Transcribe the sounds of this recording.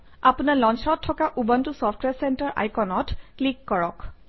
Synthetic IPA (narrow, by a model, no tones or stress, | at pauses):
apunaɹlɔnsɔɔtʰːɔkaʔubantusɔfʰtwɛsɛntaɹʔa̰jkɔnɔtklikːɔɹɔk